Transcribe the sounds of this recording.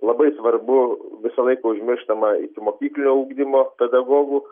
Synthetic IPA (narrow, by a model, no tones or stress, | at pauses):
lˠɐbɐɪsʋɐrbʊʋʲɪsɐlˠɐɪkɐʊʒʲmʲɪrʃt̪ɐmɐɪ̰kʲɪmoːkʲiːklʲɪnʲoːɐʊɡd̪ʲɪmoːpʲɛd̪ɐɡoːɡuː